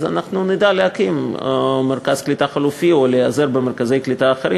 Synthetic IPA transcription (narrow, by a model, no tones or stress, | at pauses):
za̰naχnunid̪aleakimmeɾkaz̥klit̪aχalufioleazeɾbeme̞ɾkaze̞jklit̪aːχeɾi